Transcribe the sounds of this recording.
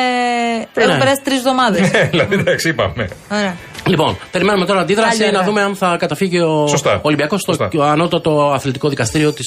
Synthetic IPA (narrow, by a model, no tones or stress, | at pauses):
enuebeɾɐst̪ɾisovðo̞mɐðeelɐid̪ɐksiipɐmeoɾeɐ | lipo̞̰npe̞ɾime̞numeoɾɐnd̪iðɾɐsinɐðume̞ɐnθɐkɐt̪ɐfiʝiosost̪ɐolimbiɐko̞st̪oɐnot̪it̪ɐt̪o̞ɐθlit̪iko̞ðikɐst̪iɾio̞t̪is